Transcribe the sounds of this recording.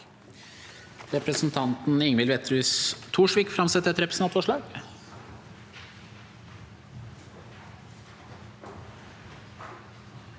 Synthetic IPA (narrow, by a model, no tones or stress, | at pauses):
ɾɛpɾəsn̩t̪ʰɑnt̪n̩ɪŋmɪlʋɛt̪ɾʉːst̪ʰuːʂʋiːkfɾɑmsɛt̪ːəɛt̪ɾɛpɾəsn̩ɑt̪fɔʂɭɑːɡ